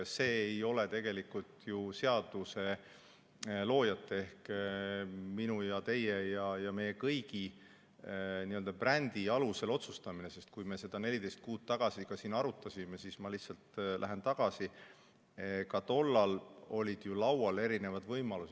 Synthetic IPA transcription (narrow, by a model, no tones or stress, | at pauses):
se̞ːjo̞le̞t̪e̞ɡ̥e̞likult̪juse̞ɑd̪̥use̞ | lo̞ːjɑt̪ːˑee̞hk | minujɑt̪e̞jejɑjɑme̞je̞kɤjɡ̥i | niːøld̪ɑprænʲd̪iɑluse̞lo̞t̪sust̪ɑminese̞st̪̚kujme̞se̞d̪̥ɑne̞lʲid̪e̞jst̪̚kuːd̪̥̚t̪ɑɡ̥ɑsikɑsiːnɑɾut̪ːˑɑsʲimesismɑlihtsɑlt̪lʔæɦe̞nt̪ɑɡ̥ɑsi | kɑt̪o̞lːɑlo̞lʲid̪̥julɑwwɑle̞ɾine̞vɑd̪̥vɤjmɑlus